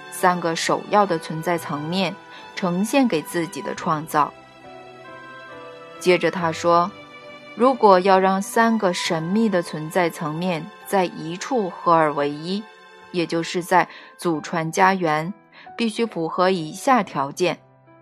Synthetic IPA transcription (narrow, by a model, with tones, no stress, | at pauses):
sa˥nɡə˨ʂo˨˩ʊjʔɑ˥˩ʊd̪ə˩t͡sʰwə˧˥nt͡sa˥˩ɪt͡sʰɤ˧˥ŋmjɛ˥˩n | ʈ͡ʂʰɤ˧˥ŋɕjɛ˥˩nke˨˩ɪt͡sɹ̩˥˩t͡ɕi˨˩d̪ə̰˦ʈ͡ʂʰwɑ˥˧ŋt͡sɑ˥˩ʊ | t͡ɕjɛ˥ʈ͡ʂə˨t̪ʰa˥ʂwɔ˥ | ɻu˧˥kwɔ˨˩jɑ˥˧ʊɻɑ˥˩ŋsa˥nɡə˨ʂə˧˥nmi˥˩d̪ə˩t͡sʰwə˧˥nt͡sa˥˩ɪt͡sʰɤ˧˥ŋmjɛ˥˧nt͡sa˥˩ɪʔi˧˥ʈ͡ʂʰu˥˩xɤ˧˥ə˞˨˩we˧˥ɪi˥ | jɛ˨˩t͡ɕjo˥˧ʊʂɻ̩˥˧t͡sa˥˩ɪt͡su˨˩ʈ͡ʂʰwa˧˥nt͡ɕja˥ɥɛ˧˥n | pi˥˩ɕy˥fu˧˥xɤ˧˥i˧˥ɕja˥˩t̪ʰjɑ˧˥ʊt͡ɕjɛ˥˩n